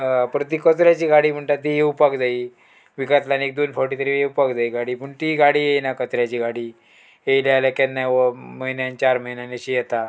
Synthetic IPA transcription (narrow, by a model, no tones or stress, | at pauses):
pɾət̪̬iːkət͡sɾjat͡ɕiːɡaɽiːm̤əɳʈat̪ijeupakd͡zai | ʋikat̪lanek̚d̪onfɔɾʈit̪əɾijeupakd͡zaiːɡaɽiːpəɳt̪iɡaɽiːjejnakət͡sɾjat͡ɕiːɡaɽiː | ejlajlakɛnːaʋəməɦinjant͡ɕaɾməinanəɕijɛt̪a